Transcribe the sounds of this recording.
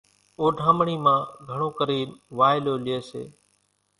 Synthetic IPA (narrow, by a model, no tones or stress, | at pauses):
oːɖʱãːmɳiːmãːɡʱəɳoːkəɾiːnʋaːɪloːlɪeːsḛː